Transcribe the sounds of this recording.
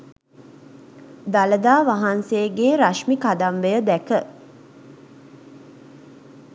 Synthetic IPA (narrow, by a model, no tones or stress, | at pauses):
d̪aləd̪aːʋaɦanseːɡeːɾaʃmikad̪amʋejəd̪ækə